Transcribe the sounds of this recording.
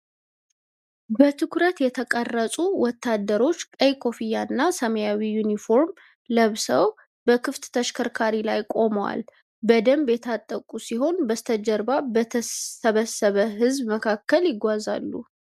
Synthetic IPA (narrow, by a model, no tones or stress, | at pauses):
bət̪ʰɨkʰɾət̪jɛt̪ʰəkʼərːəsʼuwɔt̪ːad̪ːəɾo̞t͡ʃːkʼəjkʰo̞fijanːasəməjawijunifo̞ɾm | ləβsəw | bəkʰɨft̪t̪ʰəʃkʰəɾkʰaɾilajkʼo̞məwa̰l | bəd̪əmbjɛt̪ʰat̪ʼːəkʼusiɦo̞nbəst̪ʰəd͡ʒəɾbabət̪ʰəsəβəsːəβəɦɨzbməkʰakːəljɪɡʷːaza̰lːu